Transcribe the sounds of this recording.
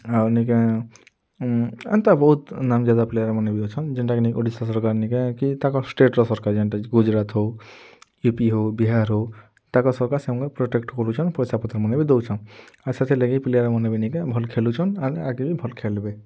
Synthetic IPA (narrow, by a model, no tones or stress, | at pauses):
anikẽ | a̰nt̪abɔɦut̪namd͡ʒad̪aplejəɾmənebʱid̪ɔt͡ʃʰɔnd͡ʒiɳʈakenikoɖisasɔɾkaɾnikẽkit̪akɔsʈeʈɾɔsɔɾkaɾd͡ʒeɳʈaɡud͡ʒɾat̪ɦo | jupiɦobiɦaɾɦo | t̪akɔsɔɾkaɾsẽŋkɔpɾoʈekʈkɔɾut͡ʃʰɔnpɔjsapɔt̪əɾmənebʱid̪ɔwt͡ʃʰɔn | asat̪ʰeleɡiplejəɾmɔnebinikẽbʱɔlkʰelut͡ʃʰɔnanaɡibʱibʱɔlkʰelbe